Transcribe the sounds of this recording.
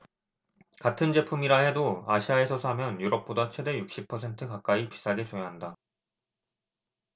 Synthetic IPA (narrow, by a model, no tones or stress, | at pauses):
katʰɯnd͡ʑe̞pʰumiɾaɦe̞doaɕʰiae̞sʰʌsʰamjʌnjuɾʌp̚p͈odat͡ɕʰwe̞de̞juk̚ɕ͈ipʰʌsʰe̞ntʰɯkak͈aipi̥s͈ʰaɡe̞t͡ɕojaɦanda